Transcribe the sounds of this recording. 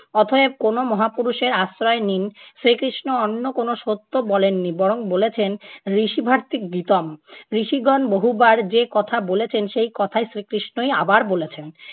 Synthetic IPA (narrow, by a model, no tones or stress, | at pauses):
ɔt̪ʰoep̚konomɔɦapuɾuʃeɾasɾɔeninsɾikɾiʃnoɔnːokonoʃot̪ːobɔlenːibɔɾoŋbolet͡ɕʰenɾiʃibʱaɾt̪ik̚ɡit̪omɾiʃiɡɔnboɦubaɾd͡ʑekɔt̪ʰabolet͡ɕʰenʃejkɔt̪ʰajsɾikɾiʃnoja̰baɾbolet͡ɕʰen